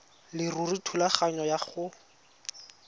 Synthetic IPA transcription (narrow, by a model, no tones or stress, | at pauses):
lɪruritʰulaχaɲɔjaχʊ